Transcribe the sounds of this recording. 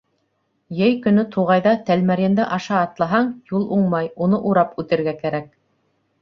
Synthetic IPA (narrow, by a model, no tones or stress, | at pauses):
jɘjkɵ̆nɵt̪ʰuʁɑjðɑt̪ælmæɾjɘ̆nd̪ɘʔɑʃɑːt̪lˠɑɦɑɴjulˠuɴmɑjunɤʔuɾɑpʉt̪ɘ̆ɾɡækæɾæk̚